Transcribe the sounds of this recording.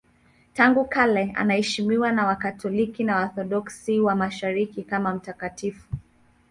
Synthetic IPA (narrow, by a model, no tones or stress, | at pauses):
taŋɡukalɛa̰nahɛʃimiwanawakatʰɔlikinawaθɔɗɔksiwamaʃaɾikikamam̩takatifu